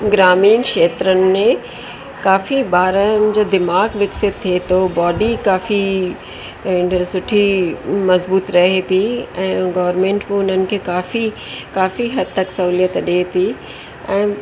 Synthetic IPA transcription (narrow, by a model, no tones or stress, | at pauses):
ɡɾaːmiːnkʃeːt̪ɾənɪ̆mẽ | kaːfibaːɾənɪ̆d͡ʑoːd̪ɪmaːɡʋɪksɪt̪̚t̪ʰːiet̪ʰobɔːɖikaːfi | sʊʈʰimɐzbuːt̪ɾɐɦet̪ʰiɛ̃ːɡɐʋəɾmẽːɳʈmɪʊnənɪ̆kʰeːkaːfi | kaːfiɦɐd̪̚t̪ɐksɐɦuːlijət̪ɗeːt̪ʰi | ɛ̃ː